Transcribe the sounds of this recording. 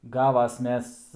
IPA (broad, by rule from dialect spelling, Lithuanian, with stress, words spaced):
ˈɡɑːʋɐs ˈmʲɛs